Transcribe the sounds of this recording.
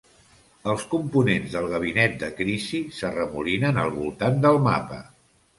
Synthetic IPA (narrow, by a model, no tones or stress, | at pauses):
əlˠskumpunenzðəlˠɣ̞əβ̞inɛt̪̚d̪əkɾisisərəmulinənə̰lˠβulˠt̪and̪əlˠma̰pə̰